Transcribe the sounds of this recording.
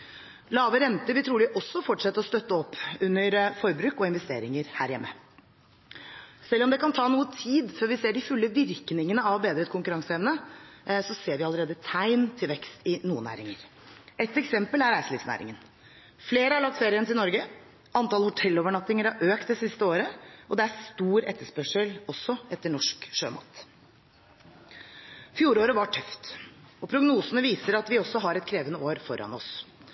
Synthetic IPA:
lɑːʋəɾɛnt̪əɾʋɪlt̪ʰɾuːlɪʔɔsːɔfɔʈʂɛt̪ːəɾɔst̪œt̪ːəɔpːʉnːəɾfɔɾbɾʉːkɔɪnʋɛst̪ḛːɾɪŋəɾhæ̰ːɾjɛmːə | sɛlːɔmd̪ɛkɑnt̪ʰɑːnuːət̪ʰiːd̪fɔɾʋɪseːɖɪfʉlːəʋɪɾknɪŋənəɑʋbeːd̪ɾəɛt̪kʊŋkʉɾɑŋsəɛʋnəsɔseːɾʋɪɑləɾeːd̪ət̪ʰæɪnt̪ʰɪlʋɛkst̪ɪnuːənæ̰ːɾɪ̰ŋə̰ɾ | ɛt̪ːɛksɛmpəlæɾæɪsəliːʋsnæ̰ːɾɪ̰ŋən | fleːɾəɑɭɑk̚t̪feːɾɪənt̪ɪlnɔɾɡə | ʔɑnt̪ɑlhʊt̪ʰɛlːoːʋəɳɑt̪ːɪŋəɾɑɾʔøːkt̪d̪ɛsɪst̪əoːɾəʔɔd̪ɛæst̪uːɾɛt̪ːəʂpœʂəlɔsːɔʔɛt̪ːəɳɔʂkʂø̰ːmɑ̰t̪ | fjuːɾoːɾəʋɑʈʰœft̪ɔpʰɾʊɡnuːsənəʋiːsəɾɑt̪ʋɪɔsːɔɦɑɾɛt̪̚kʰɾeːʋənəoːɾfɔɾɑ̰nɔ̰s

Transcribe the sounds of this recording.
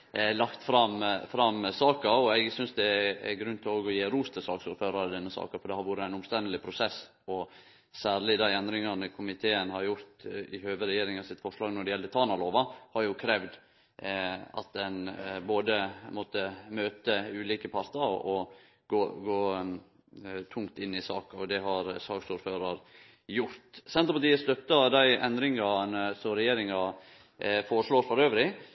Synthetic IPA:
lɑkt̪fɾɑmfɾɑmsɑːkəɾɔæɪɡsʏnsd̪ɛɛ̰ɡɾʉnt̪ʰɪloːɡɔjeːɾuːst̪ʰəsɑːksuːɾføːɾɑɾəd̪ɛnːəsɑ̰ːkəfɔɖ̪ɛhɑɾʋʊɾəæɪnʊmst̪ɛnd̪əlɪpʰɾʊsɛs | ɔ | sæːɾɭɪd̪æɪɛnd̪ɾɪŋɑnəkʰʊmɪt̪ʰeːənhɑɾjʊɾt̪ɪhøːʋəɾɛjeːɾɪŋɑsɪt̪ːfɔʂlɑːɡnɔɖ̪ɛjɛlːət̪ʰɑːnɑloːʋɑhɑɾjʊkʰɾɛʋd̪ | ɑ̰t̪̚d̪ɛnboːd̪əmɔt̪ːəmøːt̪əʉːliːkəpʰɑɾt̪ɑɾɔ | ɡ̥oːɡoː | t̪ʰʊŋt̪ɪnːɪsɑːkɑɔd̪ɛɦɑɾsɑːɡsuːɾføːɾɑɾ | jʊɾt̪sɛnt̪ɾəpɑt̪iːəst̪œt̪ːɑd̪æɪʔɛnd̪ɾɪŋɑnəsɔmɾɛjeːɾɪŋɑ | fɔːɾəʂɭoːɾfɔɾøːʋɾɪ

